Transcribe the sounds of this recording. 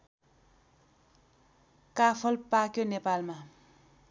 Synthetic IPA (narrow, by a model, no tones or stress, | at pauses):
kapʰʌlpakjonepalma